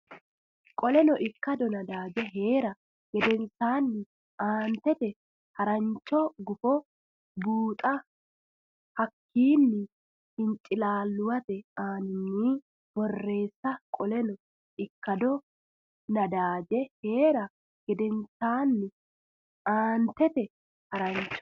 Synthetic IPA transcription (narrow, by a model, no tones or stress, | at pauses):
kʼɔlɛnɔʔɪkːɐd̪ɔnɐd̪aːd͡ʒɛɦe̞ːɾɐ | ɡ̥ɛd̪ɛnsaːnːɪ | aːnt̪ɛt̪ɛ | hɐɾɐnt͡ʃːɔɡʊfɔ | buːt̪ʼɐ | hɐkʰːiːnːɪ | ɪnt͡ʃʼɪlaːlːʊwɐt̪ɛaːnɪnːiː | b̥ɔrːe̞ːsːɐkʼɔlɛnɔ | ʔɪkːɐd̪ɔ | nɐd̪aːd͡ʒɛhe̞ːɾɐ | ɡ̥ɛd̪ɛnsaːnːɪ | ʔaːnt̪ɛt̪ɛ | hɐɾɐnt͡ʃːɔ̥